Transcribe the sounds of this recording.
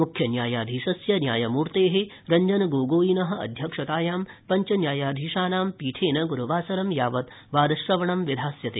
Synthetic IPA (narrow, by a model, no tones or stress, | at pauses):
mukʰjɐnjaːjaːd̪ʱiːʃɐsjɐnjaːjɐmuːɾt̪eːɦe | ɾɐɲd͡ʒɐnɐɡoːɡoːjinɐɦɐ̆ɐ̰d̪ʱjɐkʂɐt̪aːjaːmpɐɲt͡ʃɐnjaːjaːd̪ʱiːʃaːnaːmpiːʈʰeːnɐɡuɾuʋaːsɐɾɐmjaːʋɐt̪ | ʋaːd̪ɐʃɾɐʋɐɳɐmʋid̪ʱaːsjɐt̪eː